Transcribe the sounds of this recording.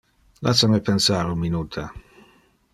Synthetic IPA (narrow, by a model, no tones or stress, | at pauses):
la̰samepensaːɾunminuːt̪ʰa